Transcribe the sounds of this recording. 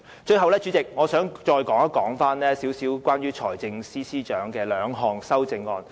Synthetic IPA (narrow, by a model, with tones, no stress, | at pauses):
t͡ʃɵ˧ɥhɐ˨wlɛː˥t͡ʃy˨˥t͡sɪ˨k̚ŋɔː˨˧sœː˨˥ŋt͡ʃɔː˧jkɔː˨˥ŋɐ˥kɔː˨˥ŋfaː˥nlɛː˥siː˨˥wsiː˨˥wkʷwʷaː˥nɥyː˥t͡ʃʰɔː˨˩jt͡sɪ˧ŋsiː˥siː˥t͡ʃœː˨˥ŋkɛː˧lœː˨˧ŋɦɔː˨˧ŋsɐ˥wt͡sɪ˧ŋːɔː˧n